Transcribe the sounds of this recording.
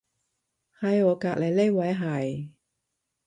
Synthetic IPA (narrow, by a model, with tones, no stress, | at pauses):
hɐ˨˧jɔː˨˧kaː˧k̚le˨jle˥jwɐ˨˥jɦɐ˨˩j